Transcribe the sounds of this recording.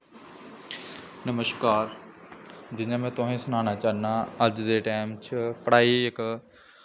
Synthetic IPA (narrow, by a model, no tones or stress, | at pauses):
nɐməʃkaːɾ | d͡ʒɪɲãːmɛ̃ːt̪ʊɦẽːsʊnaːnaːt͡ʃaːɦnaɐd͡ʒd̪eʈaːɪmt͡ʃʰəpəɽaːiɪk